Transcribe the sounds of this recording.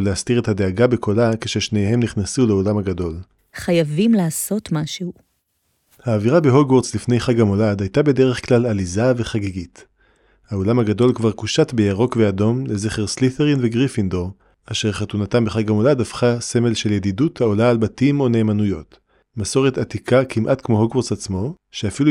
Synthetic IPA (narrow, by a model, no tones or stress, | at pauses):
leastiʁethade̞aɡabe̞kʰo̞lakeʃeʃne̞jɦe̞mniχnasuleo̞lamhaɡado̞l | χajavimlaːsotmaʃehu | haːviʁabeɦoɡwo̞ʁdzlifnejχaɡamo̞ladhajtabe̞de̞ʁe̞χklalalizaveχaɡeɡit | haolamaɡado̞lkvaʁkuʃatbejaʁo̞kveado̞mle̞zeχeʁsliθeʁinveɡʁifindoʁ | aʃe̞ʁχatunatambeχaɡamoladafχase̞me̞lʃe̞ljediduthao̞laːlbatimo̞ne̞ːmanujo̞t | maso̞ʁet̪atikʰakʰimʔatkmo̞ɦoɡwo̞ʁsat͡smo̞ | ʃeafilu